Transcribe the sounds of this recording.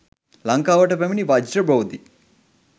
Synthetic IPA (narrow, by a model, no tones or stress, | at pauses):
lɐŋkaːʋɐʈɐpɐminiʋad͡ʒiɾɐbɐwd̪i